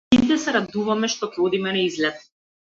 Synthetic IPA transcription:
it̪ɛsɛɾad̪uvamɛʃt̪ɔkɾod̪imɛnaizlɛt̪̚

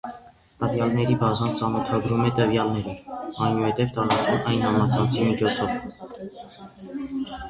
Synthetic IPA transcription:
t̪əvjɑlnɛɾibɑzɑnt͡sɑnɔt̪ʰɑɡɾumɛt̪əvjɑlnɛɾiɑjnuhɛt̪ɛvt̪ɑɾɑt͡sumɑjnhɑmɑt͡sʰɑnt͡sʰimit͡ʃʰɔt͡sʰɔv

